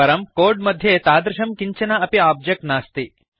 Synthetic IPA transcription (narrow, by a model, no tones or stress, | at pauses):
ɐɾɐmkoːɾɖmɐd̪ʱjet̪aːd̪ɾuʃɐmkiɲt͡ʃɐnɐɐpiaːb̚d͡ʒɐk̚ʈnaːst̪i